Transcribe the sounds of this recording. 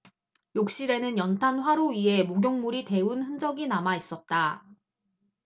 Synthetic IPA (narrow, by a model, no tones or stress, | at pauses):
jok̚ɕ͈iɾe̞nɯnjʌntʰanɸwaɾoɥiɦe̞moɡjoŋmuɾite̞unɸɯnd͡ʑʌɡinamais͈ʌt̚t͈a